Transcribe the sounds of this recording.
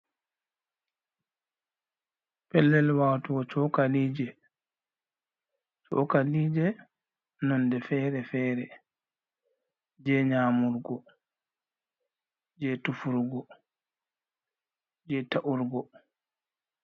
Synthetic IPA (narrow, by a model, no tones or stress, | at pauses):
pɛlːɛlwaːwtuɡɔt͡ʃɔkaliːd͡ʒɛ | t͡ʃɔ̰kaliːd͡ʒɛ | nɔndɛfɛːɾɛfɛːɾɛ | d͡ʒɛɲaːmuɾɡɔ | d͡ʒɛtufuɾɡɔ | d͡ʒɛtaʔuɾɡɔ